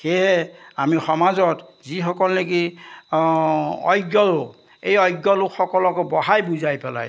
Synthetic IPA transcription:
xeɦɛamixɔmazɔtzixɔkɔlleki | ɔ̰jɡɔlʊ | ejɔjɡːɔlʊxɔkɔlɔkɔbɔɦajbuzajpɛla̰j

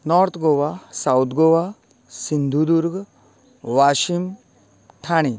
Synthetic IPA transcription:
nɔɾt̪ʰɡoʋasawt̪ʰɡoʋa | sind̪ʱud̪uɾɡ | ʋaʃim | t̪ʰaɽ̃i

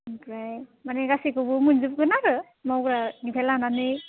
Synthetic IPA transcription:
pɹajmanɛɡasikɔbɯmunzup̚kɯnaɹɯ | mawkɹanipʰɛlananɯj

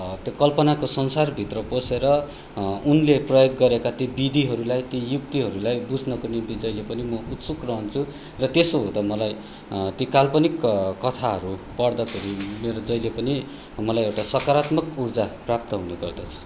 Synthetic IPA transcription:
t̪jokʌlpʌnakosʌnsarbʱit̪rʌposeɾʌ | unleprʌjoɡːʌɾekat̪jobid̪iɦʌɾulajt̪jijuk̚t̪iɦʌɾulajbud͡zʱnʌkonimt̪id͡zʌjlepʌnimʌut̪sukrʌɦunt͡sʰu | rʌt̪esoɦõd̪ʌmʌlaj | t̪ikalpʌnikkʌt̪ʰaɦʌɾupʌɽd̪ʌpʰeɾimeɾod͡zʌjlepʌni | mʌlajewʈasʌkaɾat̪mʌkurd͡zaprap̚t̪ʌɦunuɡʌrd̪ʌt͡sʰʌ̥

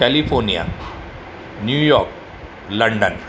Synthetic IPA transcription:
ɛlipʰoːɾnija̰ | njuːjɔːɾk̚ | lɐ̃ɳɖə̰n

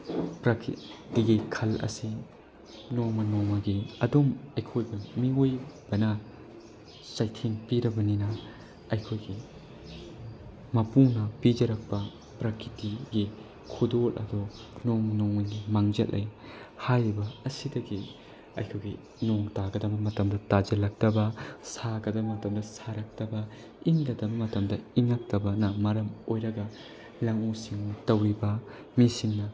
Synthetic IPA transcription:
pɾakʰitiɡikʰɐlɐ̰si | nomɐnoŋɐɡiɐdomɐjkʰojbɐmiojb̥ɐnɐ | t͡ʃajtʰeŋpiɾɐbɐninɐ | ɐjkʰojɡi | mɐpunɐpid͡ʒɐɾɐk̚pɐ | pɾakʰɾitiɡi | kʰudolɐ̰dɔnoŋnoŋujɡimaŋd͡ʒɐ̰lɐ̰jhajɾibɐɐsidɐɡi | ɐ̰jkʰojɡi | noŋtaɡɐdɐbɐmɐtɐmdɐtad͡ʒɐlɐk̚tɐbɐsaɡɐdɐmɐtɐmdɐsaɾɐk̚tɐbɐ | iŋlɐdɐbɐmɐtɐmdɐiŋak̚tɐbɐnɐmɐɾɐmojɾɐɡɐ | lɐŋusiŋtɐwɾibɐ | misiŋnɐ

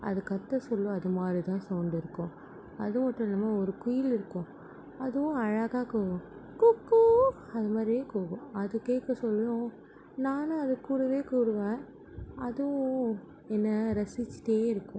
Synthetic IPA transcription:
ɐ̰ðɯkɐt̪ːɐsɔlːʊ̃ɐðɯmaːɾit̪ãːsɐʊɳɖɪɾɯkːʊ̃ | ɐ̰ðɯmɐʈːʊ̃nɐmːɐɔɾɯkʊjɪlɪɾɯkːʊ̃ | ɐðɯʊ̃ɐɻɐɣaːkuːɣʊ̃kʊkːu | ɐðɯmaːd̪ɾiʋeːkuːɣʊ̃ɐðɯkeːkːɐsɔlːʊ̃ | naːnɯɐðɯkːuːɽɐʋeːkuːɽɯʋẽː | ɐðɯʊ̃ | ɛnːɐɾɐsɪt͡ʃːʈeːɪɾɯkːʊ̃

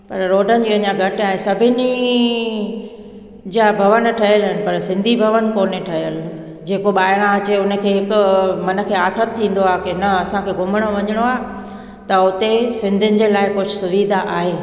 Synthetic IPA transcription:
pɐɾɾoːɖʱənɪ̆d͡ʑiːɐɲaɡʱɐʈɪaːɦesɐbʱɪnɪ | d͡ʑabʱɐʋənʈʰɐɦijəlɦɪnɪ̆pɐɾsɪ̃nd̪ʱibʱɐʋən̆koːneʈʰɐɦjəl | d͡ʑeːkoɓaːɪɽ̃ãɐt͡ɕeʊnəkʰeːɦɪkʊmɐnə̆kʰeːaːt̪ʰət̪̚t̪ʰːĩːn̆d̪oaːɦkɪnɐɐsãkʰeːɡʱʊmɪɽ̃oʋɐɲəɽ̃oaːɦ | t̪ɐʊt̪esɪ̃nd̪ʱɪnɪ̆d͡ʑeːlaːɪkʊd͡ʑʱʊsʊʋiːd̪ʱaʔaːɦeː

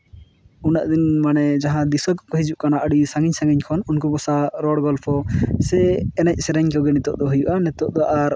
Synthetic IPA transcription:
unaʔd̪inmanɛd͡ʒaɦãd̪isɔkkɔɦid͡ʒuʔkanaʔəɽisãŋɡiɲsãŋɡiɲkʰɔnunkuɡɔsaɾɔɽɡɔlpʰɔsɛɛnac̚ˀsɛɾɛɲkɛwɡɛnɛt̪ɔʔd̪ɔɦujuʔanɛt̪ɔʔd̪ɔʔaɾ

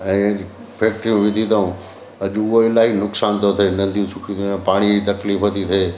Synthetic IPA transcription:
ɛ̃ː | pʰeːk̚ʈɾijũʋɪd̪ʱit̪aũ | ɐʄʊɦoɪlaɦinʊksaːnt̪ʰot̪ʰeːnɐ̃nd̪ʱiũsʊkʰĩpaːɽ̃id͡ʑit̪ɐkliːfɦɐt̪it̪ʰeeː

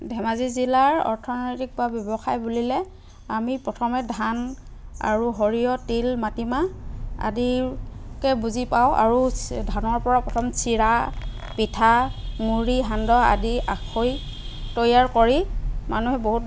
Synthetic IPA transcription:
dʱɛmazizilaɹɔ̰ɹtʰɔnɔjtik̚pʊabjɔbɔxajbulilɛ | amipɹɔtʰɔmɛdʱan | a̰ɹuɦoɹijɔtilmatimaa̰dikɛbuzipawʔa̰ɹudʱanɔɹpɔɹapɹɔtʰɔmsʰiɹa | pitʰamuɹiɦandɔa̰dia̰kʰoj | tojaɹkoɹimanuɦɛboɦut̚

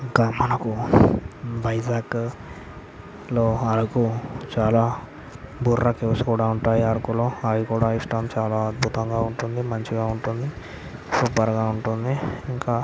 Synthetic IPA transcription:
iɡamɐnɐku | bɐjd͡ʒaːk | loːɐlukut͡ʃaːlaː | bʱuɾːɐkeʋsi̥kuːɽaːuɳʈaːjiɐɽɐkulo̞ːaʋikuːɽaːiʂʈɐmt͡ʃaːlaːɐd̪̚bʱut̪ɐŋɡaːuɳʈund̪imɐɲt͡ʃiɡaːuɳʈund̪i | suːpɐɾɡaːuɳʈund̪iŋkaː

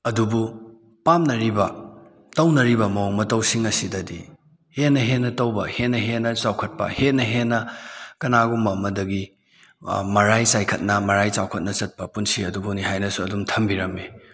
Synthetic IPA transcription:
ɐdubu | pamnɐɾibɐ | tɐwnɐɾibɐmɐwmɐtɐwsiŋɐsidɐdi | henːɐɦenːɐtɐwbɐhetnːɐɦenɐsawkʰɐt̚pɐ̰hetnɐɦenːɐkɐnaɡumɐmɐdɐɡi | mɐɾajsajkʰɐt̚nɐmɐɾajt͡ʃawkʰɐt̚nɐt͡ʃɐt̚pɐpunsiɐdubuniɦajnɐsuɐdumtʰɐmbiɾɐme

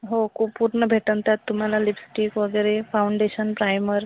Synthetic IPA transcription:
ɦokopuɾɳəbʱeʈənt̪at̪ːum̤alalipsʈikʋəɡəɾefawɳɖeɕənpɾajməɾ

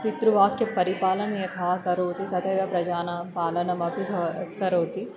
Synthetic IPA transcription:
kɪt̪ɾuʋaːkkepɐɾipaːlɐnjɐt̪ʰaːkɐɾoːt̪it̪ɐt̪ʰeɡɐpɾɐd͡ʒaːnapaːlɐnɐmɐbʱibʱɐkɐɾoːt̪i

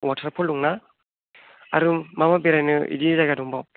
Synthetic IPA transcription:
watʰaɾpʰɔlːuŋna | aɾumamabeɾajnɯḭdizajɡadɔŋbɔ

